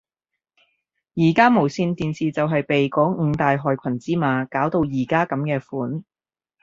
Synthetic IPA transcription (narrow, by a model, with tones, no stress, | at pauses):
jiː˨˩kaː˥mo˨˩wsiː˧nt̪iː˨nsiː˨t͡sɐ˨wɦɐ˨jpe˨jkɔː˨˥ŋ̩ː˨˧t̪aː˨jɦɔː˨jkʷʰɐ˨˩nt͡siː˥maː˨˧kaː˨˥wt̪o˧wjiː˨˩kaː˥kɐ˨˥mkɛː˧fuː˨˥n